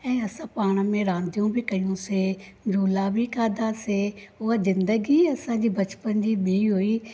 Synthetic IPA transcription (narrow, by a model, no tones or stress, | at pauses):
ɛ̃ːɐsãpaːɽ̃ə̆mẽɾãːnd̪ʱijũbɪkɐjũse | d͡ʑuːlabʱɪkaːd̪aseɦʊazɪ̃nd̪əɡiɐsãd͡ʑiːbɐt͡ɕpənd͡ʑiːɓiiɦui